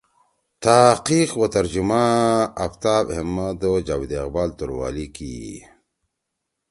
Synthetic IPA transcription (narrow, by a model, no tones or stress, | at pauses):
t̪aqixwat̪ɐɾd͡ʑumaɐft̪aːbhemːad̪od͡ʒaːwid̪eqbaːlt̪uɾwa̰ːlikḭ